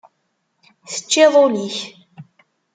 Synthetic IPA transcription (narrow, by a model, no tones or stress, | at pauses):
θə̥t͡ʃːɪðˤoliç